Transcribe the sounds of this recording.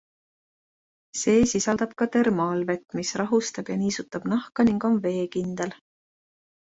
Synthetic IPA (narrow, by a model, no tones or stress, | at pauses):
se̞ːsisɑld̪̥ɑb̥kɑt̪e̞rmɑːlve̞t̪ːˑmisrɑɦust̪ɑb̥jɑniːsut̪ːˑɑb̥nɑhkɑniŋɡ̥o̞nve̞ːkind̪̥e̞l